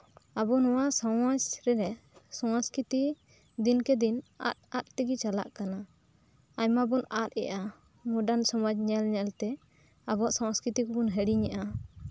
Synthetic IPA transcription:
abɔnɔwaʔsɔwad͡ʒɾɛɾɛsɔw̃ãskɾit̪i | d̪inkɛd̪ina̰t̪̚at̪̚t̪iɡit͡ʃala̰ʔkana | aɲmabɔnat̪̚ɛ̰ʔa | mɔɖansɔmɔd͡ʒɲɛlɲɛlt̪ɛ | abɔaʔsãwskɾit̪ikɔbɔnɦɛɽiɲaʔa

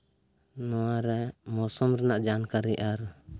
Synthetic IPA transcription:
nɔwaɾɛmɔsɔmɾɛnaʔd͡ʒankaɾɛʔaɾ

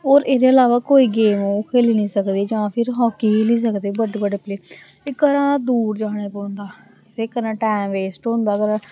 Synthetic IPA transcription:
oːɾeːd̪eːəlaːʋaːkoːiːɡeːmoːkʰeːliːnĩːsəkd̪iːd͡ʒãːpʰɪɾɦɔːkiːkeliːs̬əkd̪eːbəɖebəɖeːpleː | ɪkəɾãːd̪uːɾd͡ʒaːɽ̃eːpõːnd̪aː | t̪eːkəɾãːʈɛːmʋeːsʈɦõnd̪aːkəɾãː

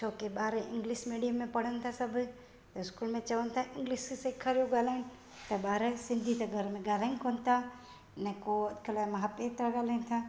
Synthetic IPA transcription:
t͡ʃʰoːkeɓaːɾɛʔɪ̃ŋɡliʃmiːɖijəmːẽpɐɽ̤ənɪ̆t̪ʰasɐbʱʊ | t̪ɐɪskuːlmẽt͡ɕɐʋənɪt̪ʰaʔɪ̃ŋɡliʃseːkʰaɾijoɡaːlaːɪñɪ̆ | t̪ɐɓaːɾɛsɪ̃nd̪ʱit̪ɐɡʱɐɾmẽɡaːlaːɪ̃nkoːnɪ̆t̪ʰa | nɛkoɐd̪kʰəlaːmɐɦapet̪ɐɡaːlan̆t̪ʰaː

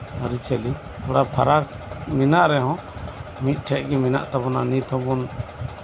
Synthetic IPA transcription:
aɾit͡ʃʰɛli | t̪ɔɽapʰaɾak | minaʔɾɛɦɔ̃mit̪̚ˀʈʰɛʔɡɛmina̰ʔt̪abɔnanit̪ʰɔ̃bɔn

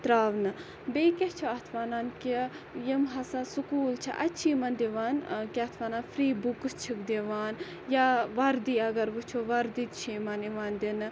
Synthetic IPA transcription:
t̪ɾaːʋnɨ | beikʲet͡ʃʰoɐt̪ʰʋaːnaːnki | jimɦɐsasukuːlt͡ʃʰḭʔɐt͡ʃʰiːmɐnd̪iʋaːnkʲeɐt̪ʰʋaːnaːnfɾiːbukɨst͡ʃʰikd̪eʋaːn | jaʋɐɾd̪iːɐɡɐɾʋut͡ʃʰoʋɐɾd̪it̪t͡ʃʰimɐniʋaːnd̪in

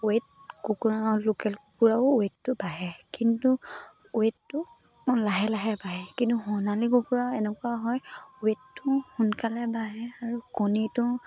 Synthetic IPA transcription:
uet̚ | akukuɹalokɛlkkuɹaʊetːʊbaɦɛkintʊ | uetːʊ | laɦɛlaɦɛbaɦɛkintuɦɔnalikɔkuɹaɛnɛkwaɦɔjuetːʊxunkalɛbaɦɛaɹukonitʊ

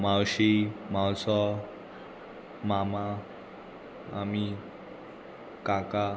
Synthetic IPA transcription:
mawɕimãwsɔ | mama | ami | kaka

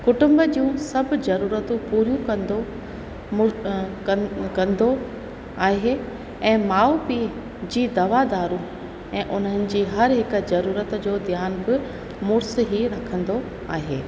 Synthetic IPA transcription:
kʊʈʊ̃mbəd͡ʑijũːsɐbʱzɐɾuːɾət̪ũpuːɾjũkɐnd̪o | kɐ̃nd̪o | aːɦe | ɛ̃ːmaːupiː | d͡ʑiːd̪ɐʋad̪aːɾũ | ɛ̃ːʔʊn̤ənɪ̆d͡ʑiːɦɐɾɦɪkzɐɾuːɾət̪d͡ʑoːd̪ʱjaːnbɪ | mʊɾsɦiɾɐkʰə̃nd̪o | aːɦeː

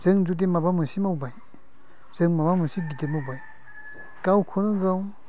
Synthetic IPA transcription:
z̥ɯŋzut̬emabamɯsimawbaj | z̥ɯŋmabamɯsiɡitemawbaj | kawkʰonɯɡaw

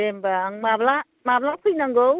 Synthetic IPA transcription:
embaaŋmabla | mablakʰujnaŋɡow

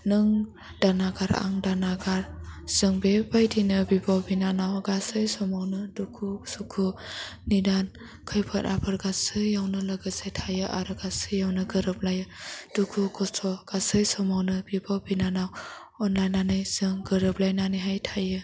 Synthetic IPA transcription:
nɯŋ | danaɡaɾa̰ŋdanaɡaɾz̥ɯŋbebajdinɯbibawbinanawɡasɯjsɔmawnɯdukʰusukʰunidan | kʰɯjpʰɯt̚apʰɯɾɡasɯjːawnɯlaɡɯsajtʰajɯʔaɾɯɡasɯjːawnɯɡɯɾɯp̚lajɯd̥ukʰukʰɔsʰɔɡ̥asɯjsɔmawnɯbibawbinanaw | ɔnlajnanɯjzɯŋɡɯɾɯp̚lajnaniɦajtʰajɯ

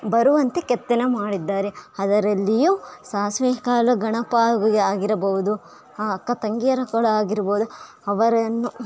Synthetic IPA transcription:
bɐɾuʋɐnt̪ekɛt̪ːenemaːɽid̪ːaːɾeɐd̪ɐɾɐlːijuːsaːsʋeːɐkaːlɐɡɐɳɐpaːjuɡuɡeaːɡiɾɐbɐɦud̪u | ɐkːɐt̪ɐŋɡijɐɾɐkɔɽɐaːɡiɾɐboːud̪u | ɐʋɐɾɐnːu

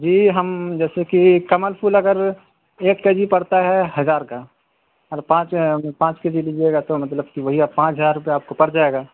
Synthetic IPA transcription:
d͡ʒiːɦəmd͡ʒɛːsekikɐməlpʰulɐɡəɾ | eːkːed͡ʒipɐɽt̪aɦɛɦɐzaːɾka | ɐɾpãːt͡ʃpãːt͡ʃked͡ʒilid͡ʒieɡat̪omɐt̪̬ləb̚kiʋɐɦiapãːt͡ʃɦəzaːɾʊpeaːp̚kopɐɾd͡ʒaːeːɡaː

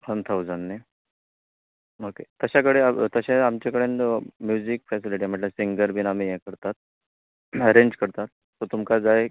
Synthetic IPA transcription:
ənt̪ʰaud͡zanːe | oket̪əɕakəɽet̪əɕaamt͡ɕakəɽenmjud͡zikfɛsiliʈ̬im̤əɳʈləsiŋɡəɾbinamijɛkəɾt̪at̪̚ | əɾeɲd͡ʑkəɾt̪at̪̚ːɔt̪umkad͡zae

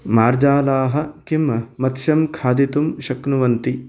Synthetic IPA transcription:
maːɾd͡ʒaːlaːɦɐ̆kimɐmɐt̪ʃjɐmkʰaːd̪it̪umʃɐknuʋɐnt̪i

